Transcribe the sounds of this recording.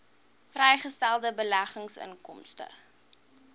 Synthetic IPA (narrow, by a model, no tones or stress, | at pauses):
frɛjχəstælˠdəbəlæχəŋsə̰nkɔmstə̰